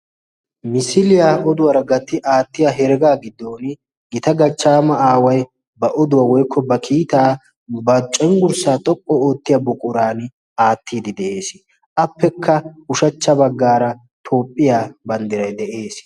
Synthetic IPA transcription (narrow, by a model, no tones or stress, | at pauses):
mɪsɪlɪjaːɔd̪ʊwɐɾɐɡɐt̪ːɪʔaːt̪ːɪjaɦɛɾɡaːɡɪd̪ːo̞ːn | ɡɪt̪ɐɡɐt͡ʃːaːmɐaːwɐj | bɐʔɔd̪ʊwaːwɔjkʰːɔbɐkʰiːt̪aː | bɐt͡ʃʼːɔŋɡʊɾsaːt̪ʼɔpʼːɔoːt̪ːɪjabʊkʼʊɾaːn | aːt̪ʰːiːd̪ɪd̪ɛʔe̞ːs | ʔɐpːɛkʰːɐʊʃɐt͡ʃːɐbɐɡːaːɾɐ | t̪ʰoːpʼːɪjaːbɐnd̪ɪɾɐjd̪ɛʔe̞ːs